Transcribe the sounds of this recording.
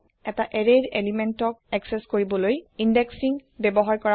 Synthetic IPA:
ɛtaʔɛɹeɹelimɛntɔk̚ɛksɛskoɹibɔlojindeksiŋbɛbɔɦaɹkɔɹa

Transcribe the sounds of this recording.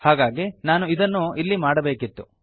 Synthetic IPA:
haːɡaːɡinaːnuid̪ɐnːuilːimaːɽɐbe̞ːkit̪ːṵ

